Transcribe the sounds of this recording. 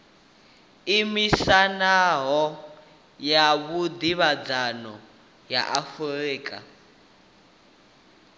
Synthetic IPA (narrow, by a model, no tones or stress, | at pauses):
imisanaɦɔ | jaβud̪iβad͡zanɔ | ja̰ʔafuriːkʼa̰